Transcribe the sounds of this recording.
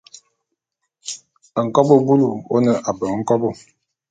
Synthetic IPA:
ə˨ŋ̩˨kɔ˦bo˦bu˦lu˨o˦nə˨ʔa˨bə˨ŋ˦ŋ̩˦kɔ˦bo˦

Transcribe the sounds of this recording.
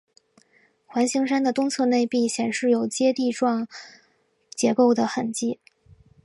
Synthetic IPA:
xwa˧˥nɕi˧˥ŋʂa˥nd̪ə˨t̪ʊ˥ŋt͡sʰɤ˥˧ne˥˧ɪpi˥˩ɕjɛ˨˩nʂɻ̩˥˩jo˨˩ʊt͡ɕjɛ˥t̪i˥˧ʈ͡ʂwɑ˥˩ŋ | t͡ɕjɛ˧˥ko˥˩ʊd̪ə˩xə˨˩nt͡ɕi˥˩

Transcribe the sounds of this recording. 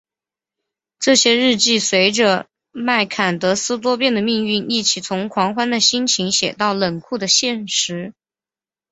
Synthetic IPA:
ʈ͡ʂɤ˥˩ɕjɛ˥ɻɻ̩˥˧t͡ɕi˥˩swe˧˥ɪʈ͡ʂə˧ | ma˥˩ɪkʰa˨˩nt̪ɤ˧˥sɹ̩˥t̪̬wɔ˥pjɛ˥˩nd̪ə˩mi˥˧ŋy˥˧ni˥˩t͡ɕʰi˨˩t͡sʰʊ˧˥ŋkʰwɑ˧˥ŋxwa˥nd̪ə˨ɕi˥nt͡ɕʰi˧˥ŋɕjɛ̰˨˩t̪ɑ˥˩ʊlə˨˩ŋkʰu˥˩d̪ə˩ɕjɛ˥˩nʂɻ̩˧˥

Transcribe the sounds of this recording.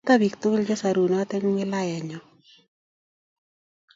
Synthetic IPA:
t̪a˦bi˨kt̪ʊ˦ld͡ʒɔ˦sa˨ɾu˨nɔ˨˦t̪ɛ˦ŋwɪ˦la˦jɛ˨ɲɔ˨

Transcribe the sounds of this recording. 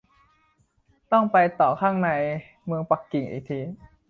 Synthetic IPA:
t̪ɔ˥˩ŋpa˧jt̪ɔː˨˩kʰaː˥˩ŋna˧j | mɯ˧əŋpa˨˩kːi˨˩ŋʔḭː˨˩k̚t̪ʰiː˧

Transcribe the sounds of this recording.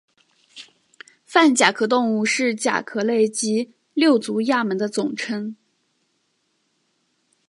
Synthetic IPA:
fa˥˩nt͡ɕja˨˩kʰɤ˧˥t̪ʊ˥˧ŋu˥˧ʂɻ̩˥˩t͡ɕja̰˨˩kʰɤ˧˥le˥˩ɪt͡ɕi˧˥ | ljo˥˩ʊt͡su˧˥ja˥˩mə˧˥nd̪ə˧t͡sʊ˨˩ŋʈ͡ʂʰə˥ŋ

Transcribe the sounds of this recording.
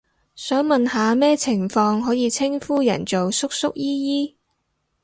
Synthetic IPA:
sœː˨˥ŋmɐ˨nɦaː˨˧mɛː˥t͡sʰɪ˨˩ŋfɔː˧ŋɦɔː˨˥jiː˨˧t͡sʰɪ˥ŋfuː˥jɐ̰˨˩nt͡so˨wsʊ˥k̚sʊ˥k̚jiː˥jiː˥

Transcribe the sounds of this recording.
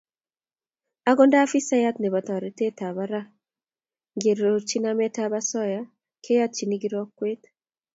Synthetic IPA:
a˦ɡɔ˦nda˦fi˦sa˦ja˦t̪ne˨ba˨t̪ɾe˨te˦ta˨βaɾa˦ | ŋɡe˨ɾot͡ʃi˦namɛ˦taba˦sɔ˦ja | kʰe˦ja˦t̪̚t͡ʃi˨ni˦ɡi˦ɾɔ˦kːwe˦t̪

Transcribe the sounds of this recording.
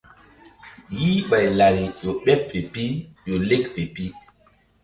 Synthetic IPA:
jiː˦ɓa˨jla˨ɾi˨jo˨ɓɛ˦pfe˨pi˦jo˨le˦kfe˨pi˦

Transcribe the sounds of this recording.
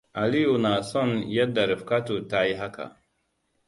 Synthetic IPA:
ʔa˨li˦ju˨na˨sɔ˦˨njɐ˦dːa˨ɾɪ˨fka˦to˨taː˦ji˦ɦa˦ka̰˨

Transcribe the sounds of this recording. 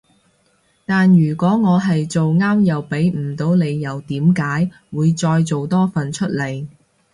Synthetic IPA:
t̪aː˨njyː˨˩kʷɔː˨˥ŋɔː˨˧ɦɐ˨jt͡so˨wŋaː˥mjɐ˨wpe˨˥jm̩˨˩t̪o˨˥wne˨˧jːɐ˨˧wt̪iː˨˥mkaː˨˥j | wuː˨˧jt͡sɔː˧jt͡so˨wt̪ɔː˥fɐ˨˩nt͡ʃʰɵ˥t̚le˨˧j

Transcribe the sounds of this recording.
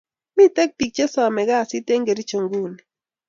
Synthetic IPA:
mi˦tɛ˦k̚pi˨k̚t͡ʃe˦sɔ˨mɛ˨ɡa˦˨si˦te˦ŋɡe˨ɾi˦t͡ʃo˨ŋɡu˦˨ni˨

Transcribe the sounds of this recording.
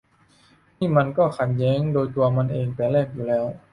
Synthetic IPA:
niː˥˨ma˧nkɔː˥˩xʰa˧˩njɛː˦˥˨ŋdoː˧jt̪u˧ɐma˧˨nʔeː˧ŋpa˧˩lɛː˥˩k̚juː˨˩lɛː˦˥˩w

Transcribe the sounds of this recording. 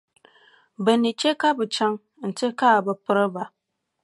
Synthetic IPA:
bɛ˨ni˨t͡ʃe˦ka˦bɨ˨t͡ʃa˦ŋ | n̩˨tɪ˦ka˦˨bɨ˨pɨ˦ɾɨ˦ba˨

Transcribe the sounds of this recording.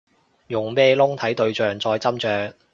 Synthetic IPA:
jʊ˨˩ŋpɛː˥lʊ˥ŋt̪ʰɐ˨˥jt̪ɵ˧ɥt͡ʃœː˨ŋt͡sɔː˧jt͡sɐ˥mt͡ʃœː˧k̚

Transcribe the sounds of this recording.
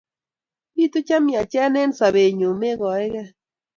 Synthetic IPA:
bi˦tu˦t͡ʃa˦mja˨t͡ʃɛ˦ne˦n˦sa˨βe˨ɲo˨me˦ɣɔ˨e˦ɣɛ˦

